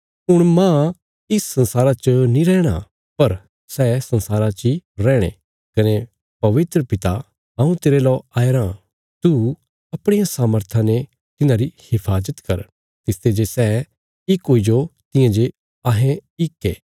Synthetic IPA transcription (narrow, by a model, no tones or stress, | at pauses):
ɦʊɽ̃mãː | ɪsːɐ̃nsaːɾat͡ʃənĩɾɛːɽ̃a̰ | pɐɾ | sɛsɐ̃nsaːɾat͡ʃiɾɛ̃ːɽ̃ḛ | kɐne | pɐʋɪt̪ɾəpɪt̪a | ɐũt̪eːɾelɔːaːeɾã | t̪u | ɐpɽ̃ijãsaːməɾt̪ʰãne | t̪ɪnãɾihɪpʰaːzət̪kɐɾ | t̪ɪst̪ed͡ʒesɛ | ɪkɦoːid͡ʒot̪ɪ̃jãd͡ʒe | aɦẽɪkːeː